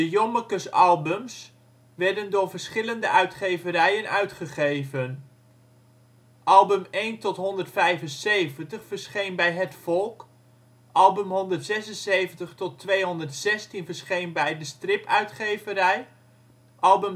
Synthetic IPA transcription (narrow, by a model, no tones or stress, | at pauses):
dəjɔməkəsɑlˠbɵms | ʋɛɹdəndʊːɹvəɹsχɪləndəœɥtχejvəɾɛjənœ̰ɥtχəχejvən | ʔɑlˠbɵmejntɔtɦɔndəɹtfɛjvənsejvəntəχfəɹsχejnbɛjɦətfɔlˠk | ʔɑlˠbəmɦɔndəɹtsɛsənsejvəntəχtɔtʋejɦɔndərtsɛstinvəɹsχejnbɛjdəstrɪpœɥtχejvəɾɛj | ʔɑlˠbəm